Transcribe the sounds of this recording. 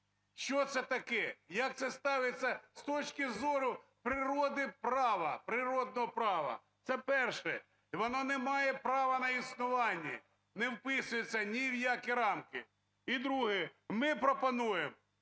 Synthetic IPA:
ʃt͡ʃɔt̪sɛt̪ɐkɛjɐk̚t̪sɛst̪ɑʋɪt͡sʲːɐst̪ɔt͡ʃkɪzɔɾʊpɾɪɾɔd̪ɪpɾɑʋɐpɾɪɾɔd̪̚nɔɦɔpɾɑʋɐ̰ | t̪sɛpɛrʃɛ | ʋɔnɔnɛmɑjɛpɾɑʋɐnɐisnʊʋɑnʲːḭ | nɛwpɪsʊjet͡sʲːɐnʲiwjakʲiɾɑmkɪ | id̪ɾuɦɪmɪpɾɔpɐnujem

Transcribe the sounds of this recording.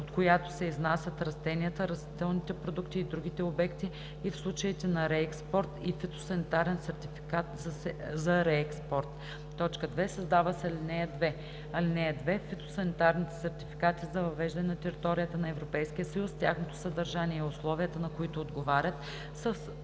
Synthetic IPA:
ot̪kojat̪osɛiznasʲət̪ɾɐst̪ɛniət̪əɾɐst̪ɛlˠnit̪ɛpɾod̪ukt̪iːd̪ɾuɡ̟it̪ɛobɛkt̪iː | fslˠut͡ʃəit̪ɛnɐɾɛɛkspɔɾt̪ifɛt̪o̥sɐnit̪aɾɛnsɛɾt̪ifi̥kat̪zɐsɛzɐɾɛɛkspɔɾt̪ː | ɔt͡ʃkəd̪vɛsɐzd̪avəsɛɐlinɛɐd̪vɛ | ɐlinɛɐd̪vɛfit̪o̥sɐnit̪aɾnit̪ɛ̥sɛɾt̪ifi̥kat̪izɐvɐvɛʒd̪ɐnɛnɐt̪ɛɾit̪ɔɾijət̪ənɐɛvɾopɛjsk̟ijəsɐjust̪ʲja̰xnot̪o̥sɐd̪ɐɾʒaniɛʊslˠɔvijət̪ənɐkoit̪oːd̪ɡovaɾʲət̪ | səs

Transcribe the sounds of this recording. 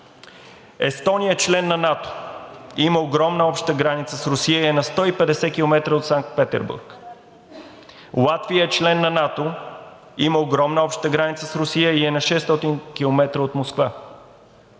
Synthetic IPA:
ɛst̪ɔnijət͡ʃlɛnːɐnat̪o̥iməoɡɾɔmnəɔpʃt̪əɡɾanit̪səsɾʊsiəiɛnɐst̪ɔipɛd̪ɛsɛkʲilˠomɛt̪ɾəot̪saŋk̚t̪̚pɛt̪ɛ̰ɾbṵɾk | lˠat̪viət͡ʃlɛnːɐnat̪o | iməoɡɾɔmnəɔpʃt̪əɡɾanit̪səsɾʊsijəiɛnɐʃɛst̪ɔt̪inkʲilˠomɛt̪ɾəot̪moskva

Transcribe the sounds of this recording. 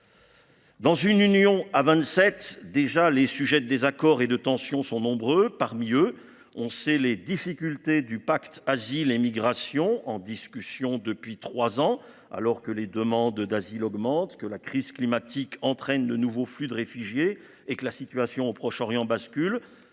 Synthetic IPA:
d̪ɑ̃zynynjɔ̃avɛ̃t̪sɛt̪d̪eʒalesyʒɛd̪əd̪ezakɔʁed̪ət̪ɑ̃sjɔ̃sɔ̃nɔ̃bʁøpaʁmiø | ɔ̃sɛled̪ifikʲylt̪ed̪ypakt̪azilemiɡʁasjɔ̃ɑ̃d̪iskʲysjɔ̃d̪əpɥit̪χwazɑ̃ | a̰lɔʁkəled̪əmɑ̃d̪d̪azilɔɡmɑ̃t̪kəlakχizklimat̪ikʰɑ̃t̪χɛnlənuvoflyd̪əʁefyʒje | ekəlasit̪yasjɔ̃opχɔʃɔʁjɑ̃baskʲyl

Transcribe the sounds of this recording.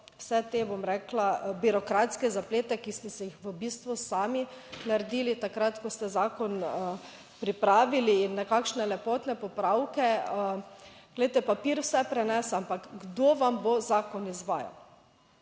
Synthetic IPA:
wsɛt̪ebomɾɛːklabiɾɔkɾat̪skɛzapleːt̪ɛkist̪ɛsɛjixʋəbist̪ʋusaːminaɾd̪iːlit̪akɾat̪kɔst̪ɛzaːkɔnə | pɾipɾaːʋiliːnːɛkakʃnɛlɛpɔt̪nɛpɔpɾawkɛ | ɡ̥lɛjt̪ɛpapiɾwsɛpɾɛnɛsampakɡd̪oːʋambozaːkɔnizʋaːja̰w

